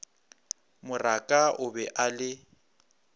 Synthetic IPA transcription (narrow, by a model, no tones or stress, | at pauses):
mʊrakʼaʔʊbɛʔalɪ